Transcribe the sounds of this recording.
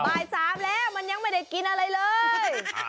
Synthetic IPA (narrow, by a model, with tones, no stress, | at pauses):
ɓaː˨˩jsaː˨˦mlɛː˧˩wməː˧˨˩nɲa˧˥ŋmaː˧˩jɗeː˨˩ki˨˧˦nʔəː˧lə˨˧˦jləː˧